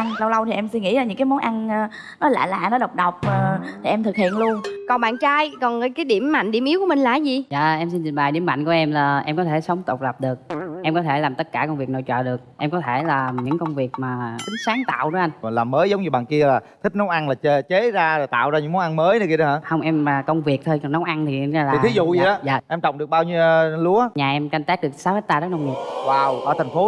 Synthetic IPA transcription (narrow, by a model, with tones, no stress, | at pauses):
ŋsa˧wlə˧wt̪ʰi˨˩ʔɛ˧msɨ˧ŋḭ˧˥zaː˨˩ɲɨ̰˧˥ŋkaː˨˦jmo˨˦nʔa˧nː˧ | nɔ˨˦la̰ː˧˨la̰ː˧˨nɔ˨˦ɗə˨˩wk͡p̚ɗə˨˩wk͡p̚ːt̪ʰi˨˩ʔɛ˧mt̪ʰɨ˨˩k̚hḭ˧˨ənlu˧ənkɔ˨˩nɓa̰ː˧˨nt͡ɕaː˧jkɔ˨˩nː˨kaː˨˦jɗi˧˩əmːa̰˧˨jŋ̟ɗi˧˩əmi˨˦ku˧˩əmï˨˩ŋ̟laː˧˨˦zi˨˩za̰ː˧˨ʔɛ˧msi˧nt͡ɕi˨˩ŋ̟ɓaː˨˩jɗi˧˩əma̰˧˨ŋku˧˩əʔɛ˧mlaː˨˩ʔɛ˧mkɔ˨˦t̪ʰe˧˩sə˨˦wŋ͡mt̪ə˨˩wk͡p̚lə˨˩p̚ɗɨ˨˩ək̚ʔɛ˧mkɔ˨˦t̪ʰe˧˩laː˨˩mt̪ə˦˥t̚kaː˧˩kwŋ͡mvi˨˩ək̚no̰˧˨jt͡ɕɔ̰ː˧˨ɗɨ˨˩ək̚ʔɛ˧mkɔ˨˦t̪ʰe˧˩laː˨˩ɲɨ̰˧˥ŋkə˧wŋ͡mvi˨˩ək̚maː˨˩ki˨˦ŋ̟saː˨˦ŋt̪a̰ː˧˨wɗɨ˨˦ʔa˧nkɔ˨˩laː˨˩mːəː˨˦jzə˨˦wŋ͡mɲɨ˧ɓa̰ː˧˨nki˧əlaː˨˩t̪ʰï˦˥k̚nɔ˨˦wʔa˧nlaː˨˩t͡ɕe˧˩t͡ɕe˨˦zaː˧ɾo˨˩jt̪a̰ː˧˨wzaː˧ɨ̰˧˥ŋmo˨˦wʔa˧nməː˨˦jnɨ˨˦ki˧ɗə˨˦haː˧˥hə˧wŋ͡mʔɛ˧maː˨˩kə˧wŋ͡mvi˨˩ək̚t̪ʰo˧jnɔ˨˦wʔa˧nt̪ʰi˨˩˧lai˨˩t̪ʰi˨˦zṵ˧˨zi˨˩ɗɔ˨˦ja̰ː˨ʔɛ˧mt͡ɕɔ̰˧˨ŋ͡mɗɨ˨˩ək̚ɓaː˧wɲi˧lu˨˦əɲaː˨˩ʔɛ˧mka˧jŋ̟t̪aː˦˥k̚ɗɨ˨˩əksaː˨˦wha˦˥t̪aː˧zəː˦˥k̚nə˧wŋ͡mɲi˨˩waː˧˩wʔəː˧˩t̪ʰŋ̟fo˨˦